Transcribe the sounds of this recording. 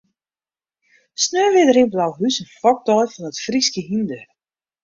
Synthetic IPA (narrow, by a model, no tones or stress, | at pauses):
snøːvɪðɾinblawɦysɛnfɔk̚t̪ɔjfɔnɔt̪fɾiscəɦind̪ʏ